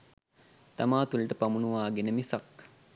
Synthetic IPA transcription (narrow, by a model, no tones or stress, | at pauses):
t̪amaːt̪ulʈəpamunuʋaːɡenəmisak